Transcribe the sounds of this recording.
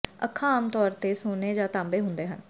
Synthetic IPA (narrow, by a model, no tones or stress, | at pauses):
əkʰːãːaːmt̪ɔːɾt̪eːsoːneːd͡ʒãːt̪ãːmbeːɦʊnd̪eːɦən